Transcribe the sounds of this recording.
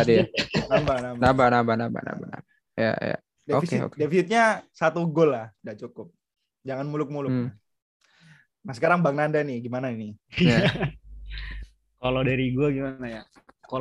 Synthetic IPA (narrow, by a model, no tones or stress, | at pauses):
adinambanabnabanabanamba̰na̰mba̰na̰ba | ja̰ja̰ | deofiseo̰kdefisit̪̚ɲasat̪uɡoladaʔt͡ʃukʊp̚ | d͡ʒaŋanmulʊk̚mulʊk̚n | mahsəkaɾaŋbaŋnandanɪɡimanainia | kalodaɾiɡuaɡimanaja | ka